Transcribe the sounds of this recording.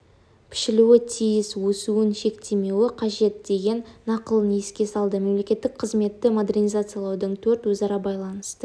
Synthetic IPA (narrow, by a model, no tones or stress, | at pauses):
pʰɪ̥ʃɪluwɪt̪ʰijɪswɵsuwɪnʃe̞k̚t̪e̞me̞wɪqʰɑʒe̞t̪̚d̪e̞ɡʲe̞nːɑqəlˠnijɪskʲe̞sɑlˠd̪əme̞mle̞kʲe̞t̪ːɪk̚qʰəzme̞t̪ːɪmod̪e̞rnijzat̪sɨjalˠɑwd̪əɴt̪ʰɵɾt̪wɵzɑɾɑbɑjlˠɑnəst̪ə